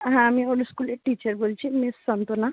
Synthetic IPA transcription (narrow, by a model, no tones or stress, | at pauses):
ɦãːmioluskuleʈit͡ɕəɾbolt͡ʃʰimesɔnt̪ona